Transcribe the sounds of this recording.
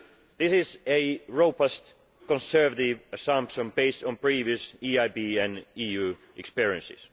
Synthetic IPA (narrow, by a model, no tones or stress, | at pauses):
ðɪsɪzeɹoʊpast | kɔ̃nsɜ˞vətɪvəsãmpsə̃mbeɪstɔ̃npɹ̥iviɨsiːaɪbiːæ̃niːjʉː | ʔɛkspiɹiɨ̃nsɪ̰s